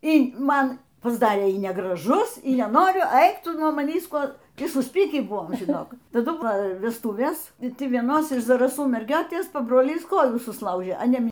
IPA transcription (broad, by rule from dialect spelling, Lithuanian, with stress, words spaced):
iː ˈmɐn pɐzˈdɑːrʲeː iː nʲɛɡrɐˈʒʊs iː nʲɛˈnoːrʲʊ ˈɐɪk ˈtʊˈnuɔ mɐˈnʲiːs ˈkuɔ ˈtʲiː sʊsʲˈpʲiːkʲiː ˈbʊʋoːm ʒʲɪˈnoːk tɐˈdʊ ˈʋɐ ʋʲɛsˈtuːʋʲeːs ɪ ˈtʲɪ ʋʲiɛˈnoːs ɪʃ zɐrɐˈsuː mʲɛrʲˈɡʲoːtʲeːs pɐbroːˈlʲiːs ˈkoːjuː sʊsˈlˠɐʊʒʲeː ɐ ˈnʲɛ